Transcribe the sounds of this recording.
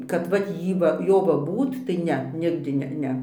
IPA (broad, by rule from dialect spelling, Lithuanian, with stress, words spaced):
kɐt ˈʋɐt ˈjiː ʋɐ ˈjoː ʋɐ ˈbuːt tɐɪ ˈnʲɛ ˈnʲɪɡdʲɪ ˈnʲɛ ˈnʲɛ